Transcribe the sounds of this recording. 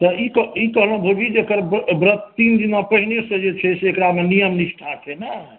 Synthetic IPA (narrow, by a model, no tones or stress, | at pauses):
t̪ɔikəikəɦləɦũbʱoɡid͡ʒekəɾbbɾət̪t̪ind̪inapəɦinesə̃d͡ʒet͡ʃʰɛseekɾamenijəmnisʈʰat͡ʃʰɛna